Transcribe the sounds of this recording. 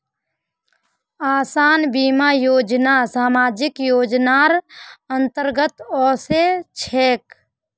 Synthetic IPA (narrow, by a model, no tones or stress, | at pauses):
aːsaːnbiːmaːjoːd͡ʒnasaːmaːd͡ʒɪkjoːd͡ʒnaːɾənt̪əɾɡət̪ɔːset͡ʃʰeːk